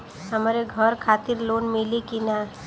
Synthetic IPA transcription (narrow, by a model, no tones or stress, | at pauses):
ɦəmɾeɡʱəɾkʰaːt̪ɪɾloːnmɪlikina